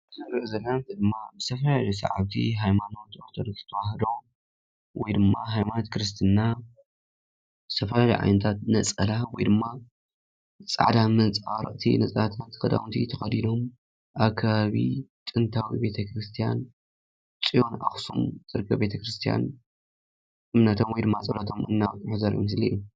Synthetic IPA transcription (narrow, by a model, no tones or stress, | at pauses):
zɐɾzɐlːant̪ʰɨd̪ɨmːabɨz̥t̪ʰɐfɐlalɐjsa̰ʕa̰βt̪ʰḭɦajmano̞t̪ot̪ʰɐɾt̪zɨ̥t̪ʰɐwahɐd̪o | wɔjd̪ɨmːaɦajmanot̪kʰɾɨst̪ʰɨnːa | bzɨ̥t̪ʰɐfɐlalḭjʕa̰jnɨt̪ʰat̪nɐt͡sʼɐlawɔjd̪ɨmːa | t͡sʼa̰ʕd̪amɨnt͡sʼawɾɐ̰ʔʼt̪ʰḭnɐt͡sʼat̪ʰat̪kʰɐd̪a̰wnt̪ʰit̪ʰɐxɐd̪ino̞m | ʔaβkʰːaβaβḭt̪ʼɨnt̪ʰawibe̞t̪ʰɐkɾɨst̪ʰija̰n | t͡sʼijo̞nʔa̰xsṵmzʼɨɾkʰːɐbe̞t̪ʰɐkɾɨst̪ʰija̰n | ʔɨmnɐt̪ʰo̞mwɔjd̪ɨmːat͡sʼɐlat̪ʰo̞mʔɨ̰nːaβk̪ʼuħuzɐɾiʔo̰mɨsliju